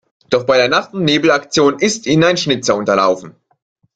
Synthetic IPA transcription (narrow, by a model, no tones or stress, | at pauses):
d̥ɔχb̥aɪdeːɐnaχtn̩neːbl̩akt͡sjoːnɪstiːnənaɪnʃnɪt͡sɐʊntɐla̰ʊfn̩